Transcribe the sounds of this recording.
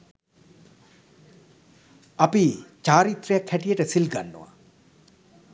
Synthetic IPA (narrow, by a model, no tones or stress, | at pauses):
apit͡ʃaːɾit̪rejakʰːæʈijəʈəsilɡanːo̰ʋa̰